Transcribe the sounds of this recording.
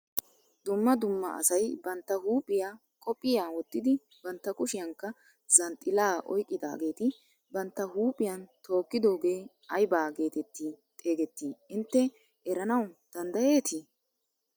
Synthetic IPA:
d̪ʊmːɐd̪ʊmːɐ̰ʔɐ̰sɐjbɐnt̪ːɐhuːpʼːɪjaː | kʼɔpʼːɪjaːwɔt̪ːɪd̪ɪ | bɐnt̪ːɐkʊʃɪjɐŋkːɐ | z̥ɐnt̪ʼɪlaːʔɔ̰jkʼːɪd̪a̰ːɡe̞ːt̪ɪ | bɐnt̪ːɐɦuːpʼɪjɐnt̪ʰo̞ːkːɪd̪o̞ːɡe̞ː | ɐjbaːɡe̞ːt̪ɛt̪ːiːt̪ʼeːɡɛt̪ːiːɪnt̪ːɛ | ɛɾɐnɐwd̪̥ɐnd̪ɐje̞ːt̪ɪ

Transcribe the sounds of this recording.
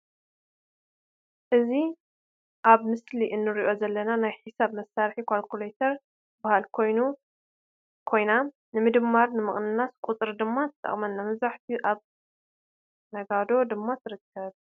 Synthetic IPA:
ʔɨzi | ʔaβmɨsliʔɨnːɨɾiʔo̞zɐlːɐnanajħisaβmɐsːaɾħikʰalkʰulejt̪ʰɐɾ | bahalkʰo̞jnu | kʰo̞jna | nɨmɨd̪ɨmːaɾnɨmɨχʼnɨnaskʼut͡sʼɨɾd̪ɨmːazɨt̪ʼɐ̰χʼmɐnːamɐβzɾaħt̪ʰiʔaβ | nɐɡad̪o̞d̪ɨmːat̪ʰɨɾɨkʰːɐβ

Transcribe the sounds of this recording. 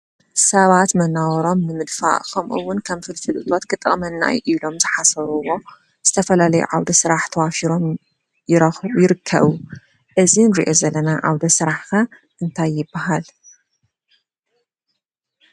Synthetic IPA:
sɐβat̪mɐnːawɐɾo̞mnɨmɨd̪fa̰ʔkʰɐmʔṵwːʊnkʰɐmfɨlt̪ʰɨlɨt̪ʼo̞t̪kɨt̪ʼɨ̰χʼmɐnːa̰jʔilo̞mzɨħasɐɾuwo̞ | z̥ɨt̪ʰɐfɐlalɐjṵʕawd̪ɐsɨɾaħt̪ʰɐwafiɾo̞m | jɪɾɐjɪɾɨkʰːɐ̰βu | ʔɨzinɾiʔozɐlːɐnaʕa̰wd̪ɐsɨɾaħxɐ | ʔɨnt̪ʰajːɪbːaɦal

